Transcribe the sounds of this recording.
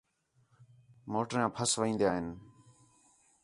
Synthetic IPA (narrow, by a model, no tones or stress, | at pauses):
moːʈɾjãːpʰəsʋĩːnd̪ijaːɦɪn